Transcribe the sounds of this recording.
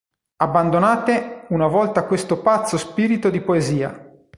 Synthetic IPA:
abːand̪onaːt̪eunavɔlt̪akwest̪opat̪sːospiːɾit̪od̪ipoeziːa̰

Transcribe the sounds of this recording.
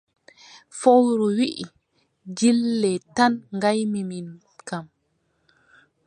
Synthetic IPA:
fowɾuwiʔi | d͡ʒilːɛtanŋɡajmimin | kam

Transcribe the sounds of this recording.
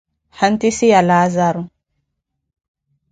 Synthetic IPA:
hant̪isijalaːzaɾu

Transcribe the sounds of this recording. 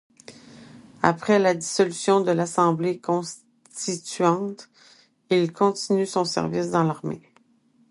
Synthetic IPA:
a̰pχɛlad̪isɔlysjɔ̃d̪əlasɑ̃blekɔ̃s | t̪it̪ɥɑ̃t̪ | ilkʰɔ̃t̪inysɔ̃sɛ̰ʁvisd̪ɑ̃laʁmḛ

